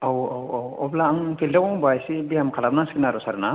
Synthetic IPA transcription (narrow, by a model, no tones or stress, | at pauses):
awawawɔblaːŋpʰildawɔŋbajsibiamkʰalap̚nasikinaɾɔsaɾna